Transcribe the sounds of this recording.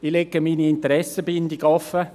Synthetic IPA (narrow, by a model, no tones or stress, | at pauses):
ileɡəmiːniɪnt̪əɾɛsəbɪnd̪iɡɔfə